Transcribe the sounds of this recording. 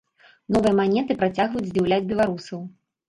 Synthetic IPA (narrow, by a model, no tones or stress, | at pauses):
nɔvɨjɐmanʲɛt̪ɨpɾat͡sʲaɣvɐjut͡sʲzʲd͡zʲiwlʲad͡zʲbʲɛlˠaɾusɐw